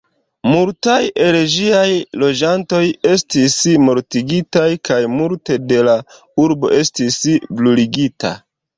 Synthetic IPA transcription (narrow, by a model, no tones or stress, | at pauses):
multajʔe̞ɾed͡ʒiajlo̞d͡ʒanto̞je̞stismo̞ɾtiɡitajkajmulte̞de̞la | uɾbo̞̰ʔe̞stisbluliɡita̰